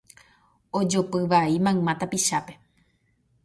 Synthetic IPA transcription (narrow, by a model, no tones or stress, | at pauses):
od͡ʒopɨʋaimãɨmãt̪apiʃape̞